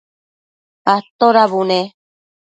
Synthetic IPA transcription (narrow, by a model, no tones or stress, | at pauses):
at̪oɾaβune